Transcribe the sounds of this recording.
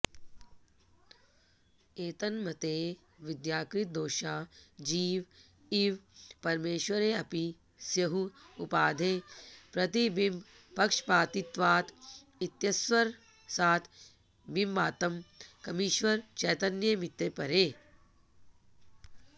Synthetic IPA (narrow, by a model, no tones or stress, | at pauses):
eːt̪ɐnmɐt̪eː | ʋid̪jaːkɾit̪̚d̪oːʃaːd͡ʒiːʋ | iʋpɐɾmeːʃʋɐɾeːɐpi | sjɐɦuupaːd̪ʱeːpɾɐt̪ibim | pɐkʂpaːt̪it̪ʋaːt̪ʰ | it̪jɐsʋɐɾ | saːt̪ʰ | bimbaːt̪ɐmkɐmiːʃʋɐɾt͡ʃɛːt̪ɐnjɐmit̪ːepɐɾeː